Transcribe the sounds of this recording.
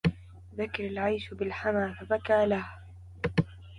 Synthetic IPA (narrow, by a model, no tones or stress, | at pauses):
ðakɪɾalʕajʃbɪlħamaːfabakaːlah